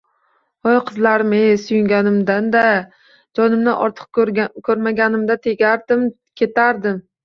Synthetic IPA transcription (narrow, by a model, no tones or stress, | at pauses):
ojqʰɨzlaɾɪmejsʊjɪŋɡʲanɪmd̪and̪a | d͡ʒɒnɪmnɪʔɒ̰ɾt̪ʰɨ̥q̚kʰɵɾmaɡʲanɪmd̪at̪ʰe̞ɡʲaɾd̪ɪm | kʲʰe̞t̪ʰaɾd̪ɪm